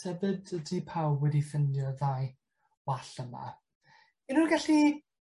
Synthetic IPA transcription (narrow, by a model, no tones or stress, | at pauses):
ɛvɨdədipʰawwɛdifəndjɔðaj | waɬəma̰ | inunɡaɬi